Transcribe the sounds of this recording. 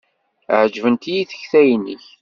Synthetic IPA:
ʕd͡ʒvənt̪ijiθə̥çθæjnːḭç

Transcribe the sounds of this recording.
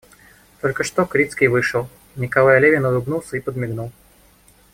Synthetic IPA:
t̪o̞lʲkəʂt̪okɾʲit̪skʲijvɨʂəlˠ | nʲɪkɐlˠajɐlʲevʲɪnʊlʊbnulˠsʲəipəd̪mʲɪɡnulˠ

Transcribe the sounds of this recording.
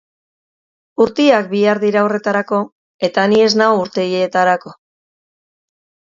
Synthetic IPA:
uɾt̪iak̚biaɾðiɾaore̞t̪aɾako̞ | e̞t̪anie̞znaouɾt̪e̞jet̪aɾako̞

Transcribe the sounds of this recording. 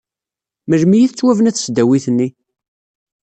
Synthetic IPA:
məʒmijiθt͡sːwævənæθsd̪æwiθənːi

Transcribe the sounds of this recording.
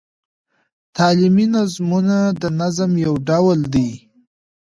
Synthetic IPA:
t̪ɑliminazmunad̪ənazamjawɖawld̪i

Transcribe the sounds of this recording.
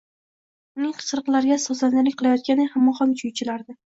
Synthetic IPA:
ʊnɪŋqʰɨ̥sɨɾɨqlˠaɾɡʲasɒslanɪlɪkʲqʰɨlˠajɒt̪̚kʲanɪhamːɒχɒŋt͡ʃʰʊjt͡ʃʰɪlaɾd̪ɪ

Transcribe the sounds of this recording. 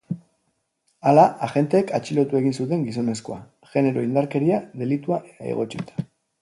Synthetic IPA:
alaaɣe̞nt̪e̞ːkat͡ʃilo̞t̪ue̞ɣ̞insut̪e̞ŋɡis̬o̞ne̞sko̞a | ʝe̞ne̞ɾo̞ind̪aɾke̞ɾiaðe̞lit̪uaʔet̪aḛɣ̞o̞t͡ʃit̪ḁ

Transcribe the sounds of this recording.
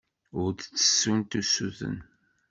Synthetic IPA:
ʊɾd̪t͡sːə̥sːunt̪usːuθə̰n

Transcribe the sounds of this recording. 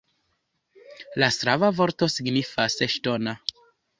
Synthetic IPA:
lasɾavavo̞ɾto̞siɡnifaseʃto̞na

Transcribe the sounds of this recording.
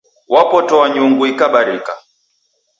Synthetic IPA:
wapɔtɔwaɲuŋɡuikaɓaɾika

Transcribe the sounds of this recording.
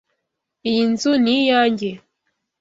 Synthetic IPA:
inzunijaːɲɟe

